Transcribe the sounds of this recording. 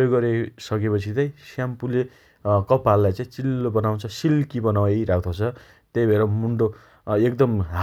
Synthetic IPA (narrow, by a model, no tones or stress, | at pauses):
oɡːʌɾesʌkepʌt͡sʰit̪ʌĩsjampule | kʌpalːajt͡saĩt͡silːobʌnaw̃t͡sʰʌsilkibʌnawʌjɾakʰt̪ʰot͡sʰʌ | t̪ejbʱeɾʌmuɳɖo | ek̚d̪ʌmɦa